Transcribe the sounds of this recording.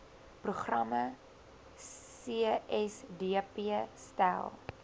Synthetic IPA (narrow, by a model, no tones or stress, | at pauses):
pruχrɐmə | siəɛsdiəpiəstæ̰lˠ